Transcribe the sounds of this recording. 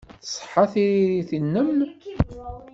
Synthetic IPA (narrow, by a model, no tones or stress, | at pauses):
θə̥sˤːħːɑθiɾiɾiθinːəmn